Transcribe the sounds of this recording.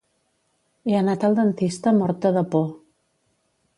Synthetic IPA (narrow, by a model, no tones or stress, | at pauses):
eənat̪əlˠd̪ənt̪ist̪əmɔɾt̪əðəpɔ